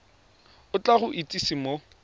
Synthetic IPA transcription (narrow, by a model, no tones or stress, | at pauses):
ʊt͡ɬʼaɣʊʔitʼisimo